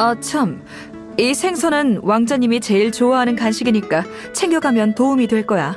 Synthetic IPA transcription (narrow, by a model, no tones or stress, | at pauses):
ʌt͡ɕʰʌm | isʰe̞ŋsʰʌnɯnwaŋd͡ʑʌɲimit͡ɕe̞iɭt͡ɕoaɦanɯnkanɕʰiɡiɲik͈a | t͡ɕʰe̞ŋɡjʌɡamjʌntoumidweɭk͈ʌja